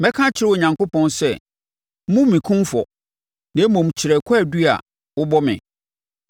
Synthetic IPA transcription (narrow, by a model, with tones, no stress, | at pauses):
mɛ̃˦kʰã˦t͡ɕʰɪ˨˦ɾɪ˦wɔ˨ɲã˨ŋko˦pʰɔ̃˦nsɛ˦ | mũ˦mĩ˨kʰũ˦mfɔ˨ | nã˨˦mɔ̃˨m˨t͡ɕʰɪ˨ɾɛ˨kʰɔ˦æ˨du˦a̰˨ | wʊ˦bɔ˦mɪ̰̃˨